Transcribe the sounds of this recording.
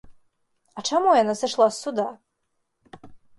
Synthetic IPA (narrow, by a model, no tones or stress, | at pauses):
aʈ͡ʂʰamojanasɨʂlˠasːud̪a